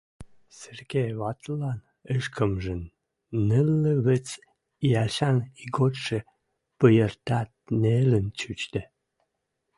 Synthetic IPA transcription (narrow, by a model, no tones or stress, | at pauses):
sərɡeβɑt̪lɑn | əʃkʰəmʒənː | əlːəβət͡s | iælɕɑniɡot̪ʃə̆ | pəjərt̪ɑt̪̚nelənt͡ɕyt͡ɕt̪ə̆